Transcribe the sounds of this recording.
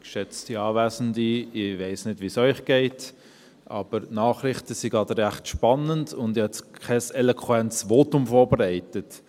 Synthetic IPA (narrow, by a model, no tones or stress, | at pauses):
kʃɛt͡stiɑːvæːsən̩diɪvæɪsnɪdʋisœʏχɡ̥ɛɪt | ʔɑ̰ːb̥əɾnɑːχrɪχtəsiɡɑdəɾæχtʃpɑnəndʊndhɛtkʰɛsɛlokʰwɛnsvoːtʊmfɔːɾbəɾæɪtət